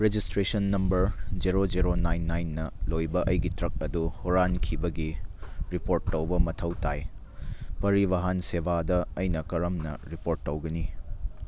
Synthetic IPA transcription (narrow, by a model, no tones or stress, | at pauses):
ɾed͡ʒistɾesɐnːɐmbɐɾd͡ʒiɾod͡ʒiɾonajnːajnːɐlojbɐʔɐjɡitɾɐk̚ɐduhuɾankʰibɐɡiɾipoɾtːɐwbɐmɐtʰɐwtʰaj | pɐɾiβɐɦɐnsebadɐɐjnɐkɐɾɐmnɐ̰ɾipoɾtːɐwɡɐni